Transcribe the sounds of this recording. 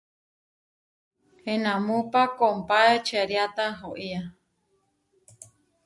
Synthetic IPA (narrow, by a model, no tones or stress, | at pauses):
enãmũpakompaet͡ʃeɾjat̪aɦoʔia